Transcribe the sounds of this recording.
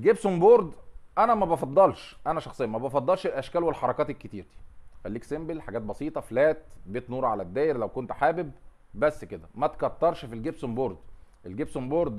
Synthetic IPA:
ɡebsomboːɾd̪ʔænæmæbɑfɑd̪ˤːɑlʃʔænæʃɑxsˤejːɑmæbɑfɑd̪ˤːɑlʃelʔæʃkæːlwelħɑɾˤɑkɑːt̪ekːet̪iːɾt̪i̥xælːiːksembelħaɡæːt̪̚bɑsˤiːt̪ˤɑflæːt̪̚beːt̪nuːɾʕalæd̪ːæːjeɾlæwkont̪ħaːbeb̚ː | æsːked̪æmæt̪kɑt̪ːɑɾˤʃfilɡebsomboːɾˤd̪ʔelɡebsomboːɾˤd̪

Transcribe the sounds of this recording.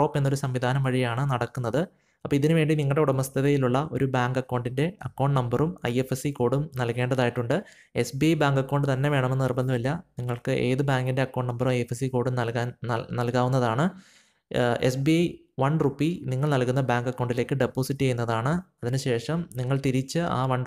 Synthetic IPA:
o̞ːpːe̞nːo̞ɾusɐmʋid̪ʱaːnɐmʋɐɻijaːɳɨnɐɽɐkːunːɐðɨ | ɐpːɐiðinɨʋe̞ːɳɖiniŋːɐɭɽe̞uɽɐmɐst̪ʰɐðɐjiluɭːɐʔo̞̰ɾubaːŋɡɐkːɐwɳɖinde̞ɐkːɐːɳɖnɐmbɐrumɐ̰jefesiko̞ːɽumnɐlke̞ːɳɖɐðaːjiʈːuɳɖɨ | e̞sbiɐjbaːŋɡɐkːoːɳɖɨt̪ɐnːe̞ʋe̞ːɳɐmenːnirbɐnːɨʋɐlːɐniŋːɐɭkɨʔe̞ːðɨbaːŋɡinde̞ɐkːoːɳɖnɐmbɐrumɐjefesiko̞ːɽumnɐlkaːnnɐlkaːʋunːɐðaːɳɨ | esbiɐj | ʋɐɳrupːiniŋːɐɭnɐlkːunːɐbaːŋɡɐkːɐwːɳɖileːkːɨɖe̞pːo̞ːsiʈːejunːɐðaːɳɨɐðinɨɕe̞ːʂɐmniŋːɐɭt̪iɾit͡ɕːɨʔa̰ːʋɐɳ

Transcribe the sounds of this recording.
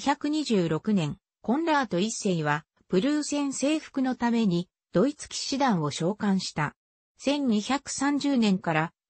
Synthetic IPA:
çakɯ̟ɲ̟iʑɨːɾo̞kɯ̟nẽ̞ŋ | kõ̞nɾaːt̪o̞isːeiβa | pɯ̟ɾɯːsẽ̞ɰ̃se̞ːɸɯ̥kɯ̟not̪ame̞ɲ̟i | d̪̥o̞it͡sɨ̥kʲi̥ɕid̪ãɰ̃o̞ɕo̞ːkãɰ̃ɕi̥t̪a | sẽ̞ɲɲiçakɯ̟̥sãɲ̟d͡ʑɨːnẽ̞ŋkaɾa

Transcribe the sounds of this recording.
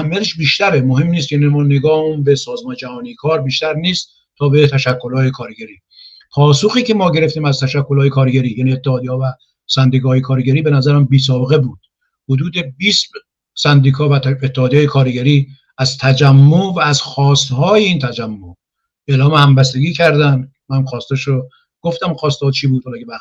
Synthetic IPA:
æhæmːijæt̪ʰeʃbiːʃt̪æɾemoɦe̞mnist̪jænimɔːneɡɒːhumbesɒːzmɒːned͡ʒæhɒːnijkʰɒːɾbiːʃt̪æɾniːst̪ | t̪ʰːɒːbet̪ʰæʃækːolhɒːjekʰɒːɾɟæɾiː | pʰɒːsoxiːcʰemɒːɟe̞ɾe̞ft̪iːmæzt̪ʰæʃækːolːjekʰɒːɾɡæɾiːjæːniet̪ːehɒːd̪iɒːvæ | sænd̪iːkʰɒːjekʰɒːɾɡæɾiːbe̞næzæɾæmbiːs̬ɒːbe̞ɣebuːd̪̥̚ | hod̪uːd̪ebiːs | sænd̪iːkʰɒːvæet̪ːehɒːd̪ijɑːjekʰɒːɾɡæɾiː | æzt̪ʰæd͡ʒæmːovæːzxɒːst̪hɒːjeiːnt̪ʰæd͡ʒæmːo | e̞ːlɒːmehæmbæst̪e̞ɡiːcʰæɾd̪æn | mæmxɒːst̪eʃɾo | ɡ̥oft̪æmxɒːst̪ɒːt͡ʃʰiːbuːd̪̥̚hɑlɒːkʰebæ

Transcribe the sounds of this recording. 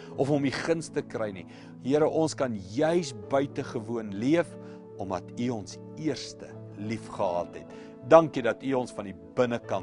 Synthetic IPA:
ɔfɔmiχənstəkrɛjni | ɦiəɾəʔɔnskɐnjœɥsbœɥtəχəvuənliəf | ɔmɐtyɔns | iərstə | lifχəɦɑ̰ːtɦɛ̰t | dɐŋkidɐtyɔnsfɐndi | bənəkɐn

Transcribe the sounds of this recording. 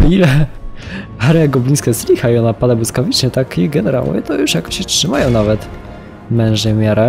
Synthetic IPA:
ilɛ | aɾjaɡɔblinskaslʲixaiɔnapad̪abwuskavʲit͡ʂɲɛt̪akiɡɛnɛɾa̰wɔ̰vʲɛ̰t̪ɔjuʂjakɔ̥ɕɛtʂɘmajɔ̃w̃navɛt̪ | mɛ̃w̃ʐɛmʲjaɾa

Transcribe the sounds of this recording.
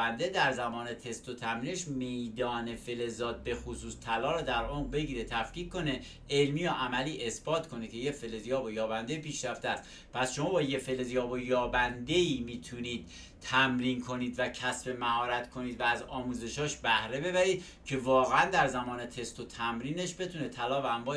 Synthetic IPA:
ænd̪e̞d̪æɾzæmɒːne̞t̪ʰe̞st̪o̞t̪ʰæmɾineʃme̞jd̪ɒːne̞fe̞le̞zɒːd̪̚be̞xosuːst̪ʰælɒːɾɒːd̪æɾomʁbe̞ɟiːɾe̞t̪ʰæfkiːkko̞ne̞ | elmiːjoʔæmæliːʔe̞sb̥ɒːt̪kʰo̞niːd̪̚cʰe̞jefe̞lezijɒːbojɒːbænd̪e̞piːʃɾæft̪eæst̪ | pʰæsʃo̞mɒːbɒːjefe̞lezijɒːbojɒːbænd̪e̞iːmiːt̪ʰuniːd̪̥̚ | t̪ʰæmɾiːnkʰo̞niːd̪væcʰæsbe̞mæhɒːɾæt̪kʰo̞niːd̪vææzɒːmuːze̞ʃɒːʃbæhɾe̞be̞βæɾiːd̪ | cʰe̞vɒːɣeænd̪æɾzæmɒːne̞t̪ʰe̞st̪o̞t̪ʰæmɾiːne̞ʃbe̞t̪ʰuːne̞t̪ʰælɒːvææmbɒː

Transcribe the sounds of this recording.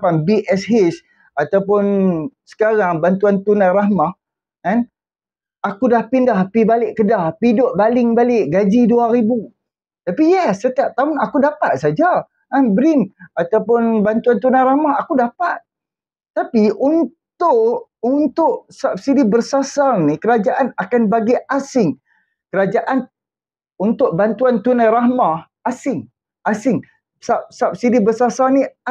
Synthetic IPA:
panbiʔɛsɦis | at̪awpʊnsə̥kaɾaŋbant̪uant̪unãrahmah | kan | akudahpindahpibalɪʔkədahpidʊʔ̚balɪŋbalɪʔɡad͡ʒiduaɾibu | t̪apijasət̪iap̚t̪aʊnakudapat̪̚sad͡ʒa | anbɾɪnat̪awpʊnbant̪uant̪unajɾahmaɦakudapat̪̚ | t̪apiʔunt̪ʊʔunt̪ʊʔsap̚sidibərsasalnikəɾad͡ʒaʔanakanbaɡiasɪŋ | kəɾad͡ʒaʔan | unt̪ʊʔ̚bant̪uant̪unajrahmah | asɪŋ | asɪŋ | sap̚sap̚sidibərsasalni

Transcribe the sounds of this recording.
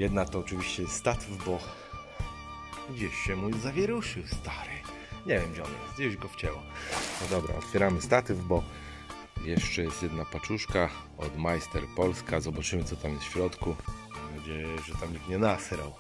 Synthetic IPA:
jɛd̪nat̪ɔːt͡ʂɨvʲiɕt͡ɕɛjɛst̪st̪at̪vbɔ | ɡd͡ʑeɕɕɛmujzavʲjɛɾuʂɨwst̪aɾɨ | ɲɛvʲjɛmɡɛɔnjɛ̰st̪d͡ʑɛd͡ʑɡɔft͡ɕɛwɔnɔd̪ɔbɾa̰ɔ̰t̪fʲjɛɾamɘst̪at̪vbɔ | jɛʂt͡ʂɛjɛst̪jɛd̪napat͡ʂuʂka | ɔd̪majst̪ɛɾpɔlskazɔbat͡ʂɘmɘt̪sɔt̪amjɛsɕɾɔt̪kuɡd͡ʑɛʐɛt̪amɲik̚t̪ɲɛnasɾaw

